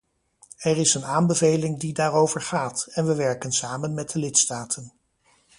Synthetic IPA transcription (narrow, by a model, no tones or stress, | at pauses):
ɛɹɪsənaːnbəvejlɪŋdidaːrowvəɹχaːtɛnʋəʋɛɹkənsaːmənmɛd̚dəlɪtstaːtʰən